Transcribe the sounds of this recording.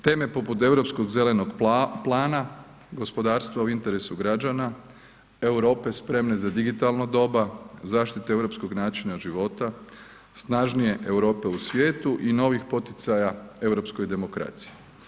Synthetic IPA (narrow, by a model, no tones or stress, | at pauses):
t̪e̞ːme̞po̞put̪e̞wɾo̞psko̞ɡze̞le̞no̞ɡplˠaːna | ɡo̞spo̞d̪aːɾst̪ʋauint̪e̞ɾesuɡɾad͡ʒana | e̞wɾo̞ːpe̞spɾe̞mne̞zad̪iɡit̪alnod̪o̞bazaːʃt̪it̪ee̞wɾopsko̞ɡnaːt͡ʃinaʒiʋo̞t̪a | snaʒnije̞ʔewɾo̞ːpe̞usʋje̞ːt̪uʔino̞ʋixpo̞t̪it̪sajae̞wɾo̞psko̞jd̪e̞mo̞kɾa̰t̪si̥je